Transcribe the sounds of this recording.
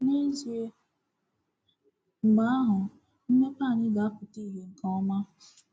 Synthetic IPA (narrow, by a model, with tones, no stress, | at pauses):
ne˦zi˨e˨ | ma˦a˦ɦʊ˨ | m̩˦me˦paː˦˨ɲɪ˦ɡa˨a˦pʊ˨ti˦˨ɦe˨ŋ̩˨kɔ˦ɔ˦ma˦